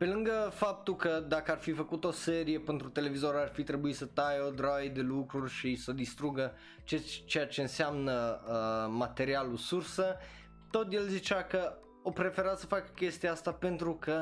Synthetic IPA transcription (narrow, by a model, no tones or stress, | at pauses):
pe̞lɨŋɡəfap̚t̪ulkəd̪akəarfifəkut̪o̞se̞ɾije̞pent̪ɾut̪e̞le̞vizo̞ɾarfit̪ɾe̞buit̪sət̪ajeod̪ɾajd̪e̞lukɾurʲʃisəd̪ist̪ɾuɡə | t͡ʃet͡ʃejat͡ʃeɨnseamnəəmat̪e̞ɾialusursə | t̪o̞t̪je̞lzit͡ʃakə | opɾe̞fe̞ɾat̪səfakə̥kʲe̞st̪iaast̪ape̞nt̪ɾukə